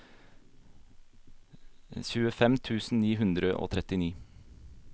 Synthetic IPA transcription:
çʉːəfɛmt̪ʰʉːsn̩niːɦʉnd̪ɾəʔo̰ːt̪ʰɾɛt̪ɪniː

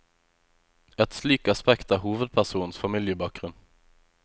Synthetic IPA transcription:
ɛt̪slyːkɑspɛkt̪ɑːhuːʋəd̪̚pʰæsuːnn̩sfɑmɪljəbɑːk̚ɡ̥ʁʉn

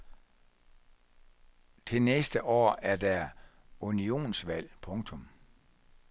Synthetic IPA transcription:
t͡sʰe̝lnesd̥əʔɒ̰ːæɐd̥æ | unio̝̰ːnsʋæl̰pʰɔ̽ŋt͡sʰɔ̽m

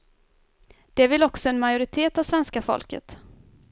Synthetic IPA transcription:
d̪̥ɛvɪlɔksɔɛnmajʊɾɪt̪ʰeːt̪avsvɛnskafɔ̰lkə̰t̪

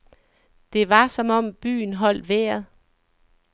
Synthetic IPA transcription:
d̥e̝ʋɑ̈sɒ̽mɒ̽m̰b̥y̰ːn̩ɦɒ̽l̰d̥ʋeːɐðˠ

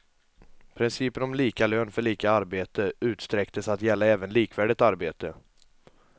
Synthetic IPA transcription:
pʰɾɪnsiːpənɔmliːkaløːnfœɭiːkaaɾbeːt̪əʉ̟ːt̪st̪ɾɛkt̪əsat̪jɛlːaɛːvənliːkvæːɖɪt̪aɾbeːt̪ə

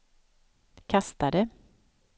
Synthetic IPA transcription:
kʰast̪ad̪ə

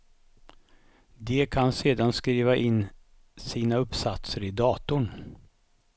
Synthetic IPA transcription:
d̪ɛkʰanseːd̪anskɾiːvaʔɪnː | siːnaɵpːsat̪səɾɪd̪ɑːt̪ʊɳ

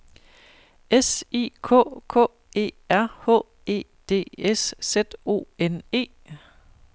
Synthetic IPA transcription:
esḭːkʰɔ̰ːkʰɔ̰̽ː | e̝̰ːæɐ̰hɔ̰ː | e̝̰ː | d̥e̝̰ːessed̥o̝̰ːene̝̰ː

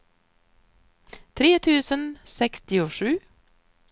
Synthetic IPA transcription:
t̪ʰɾeːt̪ʰʉːsənsɛkst̪ɪʊʂʉː

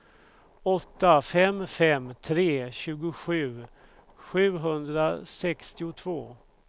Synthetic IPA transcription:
ɔt̪ːafɛmfɛmːt̪ʰɾeːɕʉ̟ːɡʊɧʉ̟ː | ɧʉ̟ːɦɵnd̪ɾasɛkst̪ɪʊt̪ʰvoː

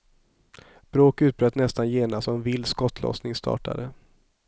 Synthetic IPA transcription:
b̥ɾoːkʉ̟ːt̪̚bɾœːt̪nɛst̪anjeːnast̪ɔɛnvɪlːskɔt̪ʰlɔ̰snɪŋst̪ʰɑ̰ːʈa̰d̪ə

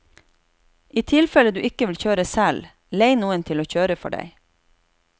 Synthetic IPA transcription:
iːt̪ʰɪlfɛləd̪ʉːʔɪkəʋɪlçøːɾəsæl | leɪnuːənt̪ʰɪloːçøːɾəfɔ̰ɖæ̰ɪ

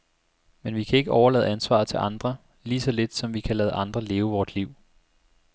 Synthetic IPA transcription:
menʋikʰæe̝ɡ̥əɒʊɐlɛ̰ːð̩ˠænsʋɑ̰̈ːð̩ˠt͡sʰe̝lʔɑ̈nd̥ʁɐ | liːsɒ̽le̝d̥sɒ̽mʋikʰælɛːð̞̩ˠʔɑ̈nd̥ʁɐle̝ːʊəʋɒːsliʊ̰

